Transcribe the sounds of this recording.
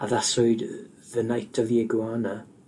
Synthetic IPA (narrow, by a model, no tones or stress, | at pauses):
aðasʊɨd | ðənajtʰɔviɛɡwaːna